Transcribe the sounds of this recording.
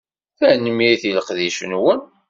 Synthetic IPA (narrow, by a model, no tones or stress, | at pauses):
θəʕnəmiiθiləqðiʃənwən